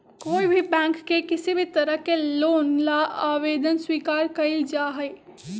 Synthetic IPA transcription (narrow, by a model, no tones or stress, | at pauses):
koːibʱibɛ̃ːŋkːekɪsibʱit̪əɾəɦkeloːnlaaʋeːd̪ənswiːkaːɾkəɪld͡ʒaːɦɛɪ